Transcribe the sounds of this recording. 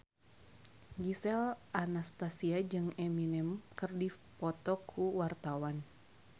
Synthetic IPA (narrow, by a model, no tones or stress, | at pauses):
ɡisɛlʔanast̪asiad͡ʒɨŋɛminɛmkɨrdipɔt̪ɔkʰːuwart̪awan